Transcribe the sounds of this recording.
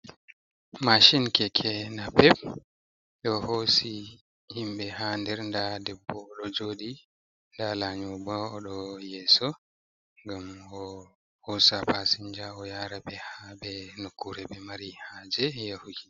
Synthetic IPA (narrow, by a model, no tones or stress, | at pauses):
maʃinkɛkʰɛnapɛp̚ | ɗɔhosi | himɓɛhandɛɾndadɛbːɔːɗɔd͡ʒoːɗi | ndalaɲɔbaːɗɔjɛsɔ | ŋɡamɔ | hosapasiɲd͡ʒaɔjaːɾabɛhabɛnokːuɾɛbɛmaɾihaːd͡ʒɛjahuɡi